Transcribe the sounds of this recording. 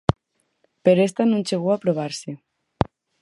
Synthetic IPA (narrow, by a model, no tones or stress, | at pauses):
peɾest̪anũnt͡ʃeɣ̞uapɾoβ̞aɾse